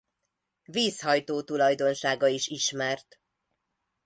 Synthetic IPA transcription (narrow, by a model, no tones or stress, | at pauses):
viːshɒjt̪oːt̪ulɒjd̪o̞nʃaːɡɒiʃiʃmɛrt̪